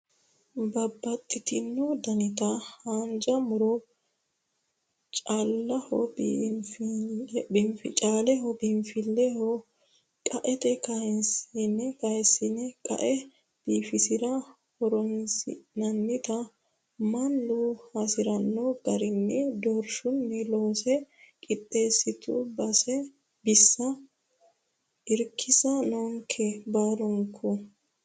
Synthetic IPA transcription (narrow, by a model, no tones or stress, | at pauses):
bɐbːɐt̪ʼːɪt̪ɪnːɔd̪ɐnɪt̪ɐhaːnd͡ʒɐmʊɾɔ | t͡ʃʼalːɐhɔbf | bɪmfɪt͡ʃʼaːlɛɦɔbɪmfɪlːɛhɔ | kʼɐʔɛt̪ɛkɐnsnːɛkɐjɛsːɪnɛkʼɐ̰ʔɛ | b̥iːfɪsɪɾɐ | hɔɾɔnsɪnɐnːɪt̪ɐ | mɐnːuhɐsɪɾɐnːɔɡɐɾɪnːɛd̪ɔɾʃʊnːɛloːsɛkʼɪt̪ʼːe̞ːsːɪt̪ṵbɐsɛ | bɪsːɐ | ɪɾkʰːɪsɐnɔŋkʰɛbaːɾɔŋkʰːʊ